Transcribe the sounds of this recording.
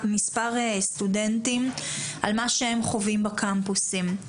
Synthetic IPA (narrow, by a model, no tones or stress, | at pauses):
mispaʁest̪udent̪imʔa̰lmaʃeemχo̞vimbakʰampusim